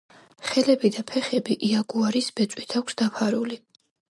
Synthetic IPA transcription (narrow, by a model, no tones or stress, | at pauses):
χɛlɛbid̪apʰɛχɛbiʔiaɡuaɾisbɛt̪sʼwit̪ʰakʷʰsd̪apʰaɾuli